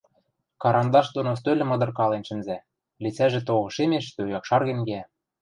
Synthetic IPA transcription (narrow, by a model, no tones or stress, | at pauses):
kɑɾʔɑnd̪ɑʃd̪onos̬t̪ølʲɘ̆mɤ̆d̪ɤ̆rkɑlenʃɘ̆nzæ | lit͡sæʒĕt̪oɣɤ̆ʃemeʃt̪øujɑkʃɑrɣĕnɡeæ